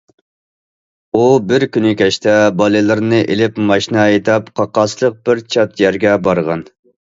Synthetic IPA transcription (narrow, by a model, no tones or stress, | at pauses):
ubɪɾkʲynɪkʲʰɛʃt̪ʰɛbɑlˠɨlˠɨɾnɨʔelɪpmɑʃnɑet̪ʰɛpqʰɑqɑslˠəq̚b̥ɪɾt͡ʃʰɑt̪jɛɾɡʲɛbɑɾʁɑn